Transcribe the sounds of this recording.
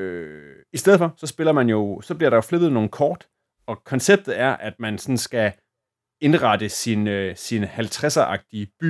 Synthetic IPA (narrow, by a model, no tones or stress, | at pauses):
ø | isd̥eð̰ˠfɒ̽sɒ̽sb̥e̝lɐmænjo̝sɒ̽b̥liɐɾ̥ɑ̈jo̝flebð̩ˠno̝ːn̩kʰɒːd̥ | ɒ̽kʰɒ̽nseb̥̚d̥ð̩ˠæɐʔæd̥mænsɒ̽n̩sɡ̥æ | e̝nʁɑd̥əsinsinəhælt͡sʰʁɛsɐʔɑ̈ɡ̥̚d̥iəb̥y